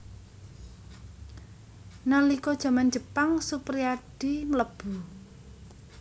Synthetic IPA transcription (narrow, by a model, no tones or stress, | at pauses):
nalikɔd̥ʒ̥a̤man̥d͡ʒ̥əpaŋsupɾiaɖ̥imələb̥ṳ